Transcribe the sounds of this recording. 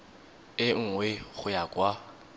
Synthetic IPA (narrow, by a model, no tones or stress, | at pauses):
ɪŋ̩ŋweχʊjakʼwa